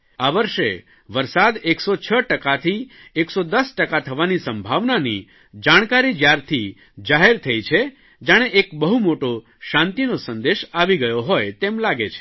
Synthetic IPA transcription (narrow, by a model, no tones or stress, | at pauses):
aʋəɾʃḛ | ʋəɾsad̪eksot͡ʃʰəʈəkat̪ʰi | eksod̪əsʈəkat̪ʰəʋanisəmbʱaʋnani | d͡ʒaɽ̃kaɾid͡ʒjaɾt̪ʰi | d͡ʒaɦeɾt̪ʰəjt͡ʃʰe | d͡ʒaɽ̃eʔekbəɦumoʈo | ʃãnt̪inosənd̪eʃaʋiɡəjoɦojt̪emlaɡet͡ʃʰe̥